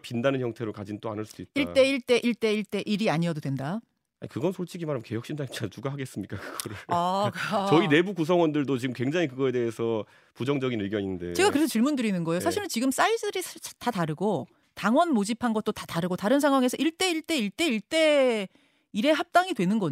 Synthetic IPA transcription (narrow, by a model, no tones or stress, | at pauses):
pindanɯnçjʌŋtʰe̞ɾokad͡ʑint͈oa̰nɯɭs͈ud̥uit̚iɭt͈e̞iɭt͈e̞ʔiɭt͈e̞iɭt͈e̞ʔiɾiaɲiʌdodwenda | a̰ɲikɯɡʌnsʰoɭt͡ɕ͈iɡimanɦamke̞jʌk̚ɕ͈indaŋiatuɡaɦaɡe̞s͈ɯmɲik͈akɯɡ̥ʌɾɯɭakat͡ɕʌine̞bukusʰʌŋwʌndɯɭdot͡ɕiɡɯmkweŋd͡ʑaŋik̬ɯɡʌe̞de̞esʰʌ | pud͡ʑʌŋd͡ʑʌɡinɯɡjʌɲinnde̞t͡ɕe̞ɡakɯɾesʰʌt͡ɕiɭmundɯɾinɯnɡʌejoaɕʰiɾɯnt͡ɕiɡɯms͈ais͈ɯɾisʰtataɾɯɡo | taŋwʌnmod͡ʑipʰanɡʌt̚t͈otataɾɯɡotaɾɯnsʰaŋɦwaŋe̞sʰʌʔiɭt͈e̞iɭt͈e̞iɭt͈e̞iɭt͈e̞ | iɾe̞ɦap̚t͈aŋidwe̞nɯnɡʌ